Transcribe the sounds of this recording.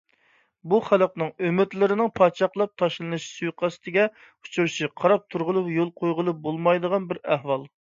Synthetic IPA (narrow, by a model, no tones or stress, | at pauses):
buχælˠəq̚nɨŋømɪt̪lɪɾɪnɪŋpʰɑːt͡ʃʰɑχlˠɑp̚t̪ʰɑʃlˠɨnɨʃsujqʰɑsɨ̥t̪ʰɪɡʲɛ | u̥t͡ʃʰuɾʃiqʰɑɾɑp̚t̪ʰuɾʁʊlˠɨpjolˠqʰojʁəlˠɨp̚bolˠmɑjd̪əʁɑnbɪɾæhwɑlˠ